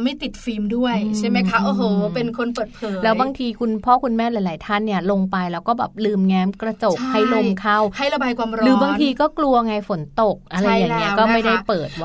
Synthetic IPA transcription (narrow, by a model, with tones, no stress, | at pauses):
ma˥˩jt̪i˨˩t̪̚fiː˧mdu˥˩əjt͡ɕʰa˥˩jma˦˥jkʰa˦˥ʔoː˨˩ɦɤː˨˩˦pe˧nkʰo˧npɤː˨˩t̪̚pʰɤː˩˦lɛː˦˥wbaː˧ŋt̪ʰiː˧kʰu˧npʰɔː˥˩kʰu˧nmɛː˥˩laː˨˦laː˨˦jt̪ʰa˥˩nːi˥˩ɐlo˧ŋpa˧jlɛː˦˧wkɔː˥˩bɛː˨˩p̚lɯː˧mŋɛː˨˧˥mkɾa˧t͡ɕo˨˩k̚ha˥˩jlo˧mkʰa˥˩wha˥˩jɾa˧baː˧jkwaː˧mɾɔɾɯː˩˦baː˧ŋt̪ʰiː˧kɔː˥˩klu˧ɐ˧ŋaː˧jfo˩˦nt̪o˨˩k̚ʔʔa˧ɾa˧jːaː˨˩ŋːi˦˥ɐkɔː˥˩ma˥˩jda˥˩jpɤː˨˩t̪̚